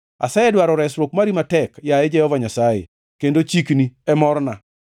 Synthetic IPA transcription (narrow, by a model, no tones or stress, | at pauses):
a̰sɛɛdwaɾɔɾɛsɾwokmaɾimatɛkjaed͡ʒɛhɔvaɲasajḛ | kendot͡ʃikniɛmɔɾna